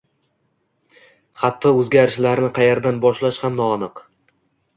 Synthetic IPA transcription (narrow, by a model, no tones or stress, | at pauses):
χɑt̪ʰːɒɵzɡʲaɾɪʃlaɾnɪqʰɑjeɾd̪anbɒʃlaʃhamnɒːnɨq